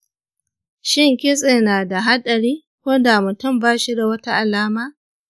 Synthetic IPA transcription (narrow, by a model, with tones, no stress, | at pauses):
ʃɪ˦ŋkʲɪ˦sʼeː˨naː˨da˨ɦa˦ɗɐ˨ɾiː˦ | kʷoː˦da˨mʊ˨tʊ˦˨mbaː˦ʃi˦da˨wɐ˦ta˦ʔa˨laː˦maː˦